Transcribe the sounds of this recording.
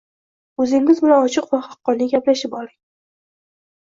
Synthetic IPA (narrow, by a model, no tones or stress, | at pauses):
ɵzɪŋːɪzmɪnaɒt͡ʃʰɨqvaχɑqːɒnɪɡʲaplaʃɪpɒlˠɪŋ